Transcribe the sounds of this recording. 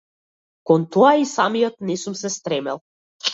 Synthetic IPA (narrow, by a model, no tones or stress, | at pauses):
kɔnt̪ɔaisamijɔt̪nɛsumsɛst̪ɾɛmɛ̰lˠ